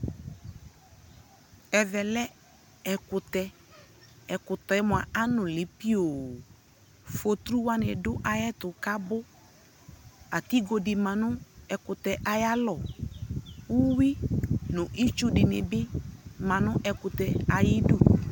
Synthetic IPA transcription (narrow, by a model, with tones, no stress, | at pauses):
ɛ˨vɛ˨lɛ˦ | ɛ˨kʊ˨tɛ˨ | ɛ˨kʊ˨tɔ˨ɛ˦mʊ̃˨a˨a˦nʊ̃˨lɪ˨pi˦oː˨ | fo˨t̪ɾu˦wa˦nɪ˨dʊ˦ʔa˨jɛ˦tʊ˨ka˦bʊ˦ | a˨ti˦ɡo˨dɪ˨mã˨nʊ˦ɛ˨kʊ˨tɛ˨ʔa˨ja˦lɔ˨ | u˦wi˦nʊ̃˨ʔi˦t͡ʃu˦dɪ˨nɪ̰˨bɪ˦mã˨nʊ̃˦ʔɛ˨kʊ˨tɛ˨a˨jɪ˦du˦